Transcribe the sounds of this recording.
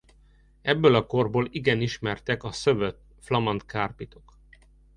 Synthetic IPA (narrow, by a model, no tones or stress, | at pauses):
ɛbːølɒko̞rboːliɡɛniʃmɛrt̪ɛkɒsøvøt̪ | flɒmɒnt̪kaːrpit̪o̞k